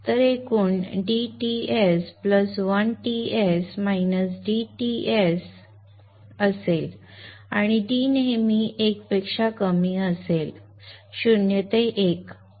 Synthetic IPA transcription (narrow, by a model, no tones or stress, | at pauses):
t̪əɾekuːnɖiʈiespləsʋənʈiesmainəs̬ɖiʈies | əsel | aɽ̃iɖinemiːʔekpekʂakəmiːəsel | ɕunjət̪eʔek